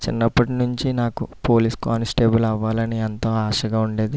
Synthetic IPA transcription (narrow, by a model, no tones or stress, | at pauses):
t͡ʃḭnːɐpːɐʈinuɲt͡ʃinaːkupoːliːskaːnsʈe̞ːbɐlɐʋːaːlɐniɐnt̪oːaːʃɐɡaːuɳɖe̞ːd̪i